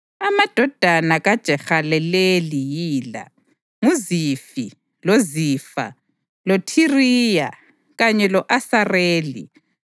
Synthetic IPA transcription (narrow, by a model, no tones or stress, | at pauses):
amad̥ʱɔd̥ʱanaɣad̥ʒ̥ʱɛxalɛlelijiːla̰ | ŋuzifi | lozifa̰ | lotʰiriːja̰ | ɣaɲɛlɔʔasareːlḭ